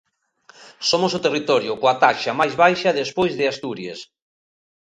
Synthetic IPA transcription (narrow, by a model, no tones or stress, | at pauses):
somosʊt̪erit̪ɔɾjʊkoat̪aʃamajzβajʃaðespojzðɪast̪uɾjḛs